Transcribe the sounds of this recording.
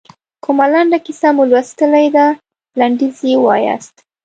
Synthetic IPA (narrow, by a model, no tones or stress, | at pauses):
kʊmalaɳɖakisamulwast̪əlajd̪a | laɳɖizjewɑ̰ja̰st̪